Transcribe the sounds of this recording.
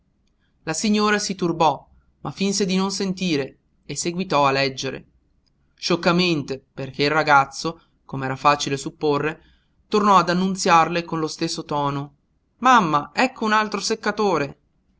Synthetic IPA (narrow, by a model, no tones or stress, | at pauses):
lasiɲːoːɾasit̪urbɔ | mafːinsed̪inonsent̪iːɾeː | sːeɡwit̪ɔalːɛd͡ʒːeɾḛ | ʃokːament̪eperk̟eilraɡat̪sːo | komeɛːɾafaːt͡ʃilesupːorːe | t̪ornɔad̪anːunt̪sjarlekonlost̪esːot̪ɔːno | mamːaɛkːounalt̪ɾosekːat̪oːɾe